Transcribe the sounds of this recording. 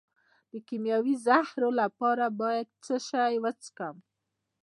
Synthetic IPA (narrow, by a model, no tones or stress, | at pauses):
d̪̥əkimjɑwizahɾolapɑɾabɑjad̪̚t͡səʃajwət͡sə̥kam